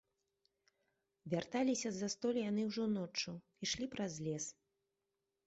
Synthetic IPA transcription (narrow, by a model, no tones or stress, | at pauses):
vʲart̪alʲisʲɐzɐst̪ɔlʲjanɨwʐɔnɔt͡ʂːu | iʂlʲipɾazʲlʲɛs